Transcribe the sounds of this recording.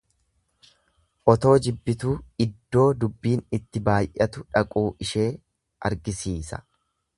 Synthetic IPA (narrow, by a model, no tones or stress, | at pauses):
ʔɔt̪o̞ːd͡ʒɪbːɪt̪uːɪd̪ːo̞ːd̪ʊbːiːnɪt̪ːɪbaːjʔɐt̪ʊᶑɐkʼuːʔɪʃe̞ː | ʔɐ̰ɾɡɪsiːsɐ̥̰